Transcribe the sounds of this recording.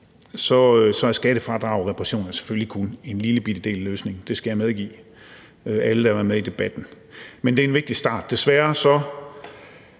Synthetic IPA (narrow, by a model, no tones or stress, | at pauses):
sɒ̽øsɒ̽æɐsɡ̥æɾ̥əfʁɑ̈d̥ʁɑ̈ʊʁɛpʰʁɑɕo̝̰ːnɐnse̥føllikʰune̝nliləb̥id̥əd̥e̝̰ːlæløːsne̝ŋn̩d̥e̝sɡ̥æjɑ̈meðˠɡ̥ḭː | øæləd̥ɑɐʋæɐmeðˠid̥e̝b̥æd̥n̩ | mend̥e̝æɐe̝nʋeɡ̚d̥isd̥ɑ̰̈ːd̥ːe̝sʋæːɐsɒ̽